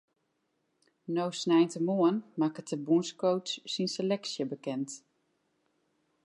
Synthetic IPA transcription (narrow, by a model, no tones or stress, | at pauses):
nowsnɛjntəmuənmakətʰəbunskowtsːinselɛksjəbəkɛnt